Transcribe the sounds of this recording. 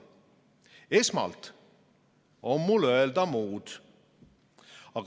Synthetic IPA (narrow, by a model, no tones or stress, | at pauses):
esmɑ̰lt̪ | omːuløeld̪ɑmuːd̪̥ | ɑk